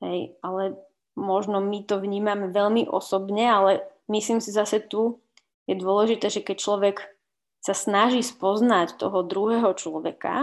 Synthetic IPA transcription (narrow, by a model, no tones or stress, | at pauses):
ɦɛjalɛ | mɔʒnɔmit̪ɔʋɲiːmamɛʋɛʎmiʔɔ̰sɔbɲɛalɛmisliːmsizasɛt̪u | jɛd̪ʊɔlɛʒit̪ɛːʒɛkɛc̚t͡ʃlɔʋɛk | sasnaʒiːspɔznact̪ɔɦɔd̪ɾuɦɛːɦɔt͡ʃlɔʋɛka̰